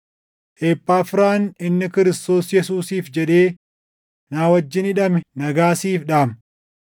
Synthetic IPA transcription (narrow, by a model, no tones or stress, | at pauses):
ʔeːpːaːfɪɾaːnɪnːɪkɪɾɪst̪o̞ːsjɛsuːsiːfd͡ʒɛᶑe̞ː | naːwɐd͡ʒːɪnɪᶑɐmɛnɐɡaːsiːfᶑaːm